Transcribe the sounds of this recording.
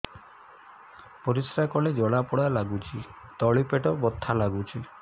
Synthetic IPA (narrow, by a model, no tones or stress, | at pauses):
pɔɾisɾakɔled͡ʒɔɭapɔɽalaɡut͡ʃʰit̪ɔɭipeʈɔbɔt̪ʰːalaɡut͡ʃʰi